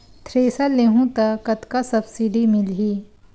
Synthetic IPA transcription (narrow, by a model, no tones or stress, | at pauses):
t̪ʰɾeːsaleːɦũt̪ɐkɐt̪kasɐbsiɖimɪlɦiː